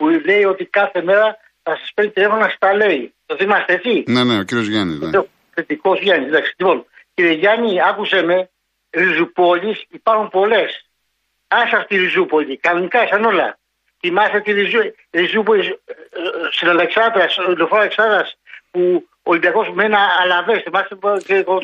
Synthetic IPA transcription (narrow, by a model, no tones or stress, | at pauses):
pule̞io̞t̪ikɐθe̞me̞ɾɐ | θɐsɐspenit̪ile̞fo̞nɐst̪ɐle̞it̪oθimɐst̪eet͡sineneociɾiozʝɐnḭe | θit̪iko̞sʝɐnisnd̪ɐksi̥ʎipo̞n | ciɾieʝɐniɐkuseme̞ | ɾizupo̞ʎisipɐɾxumpo̞le̞s | ɐsɐft̪iɾizupo̞ʎikɐno̞nikɐsɐno̞lɐ̰ | θimɐst̪et̪iɾizu | ɾizup̬o̞lis | sinɐleksɐt̪ɾɐsilofoɾɐleksɐðɾɐspu | oːlimbiɐko̞smenɐːlɐve̞sθimɐst̪eko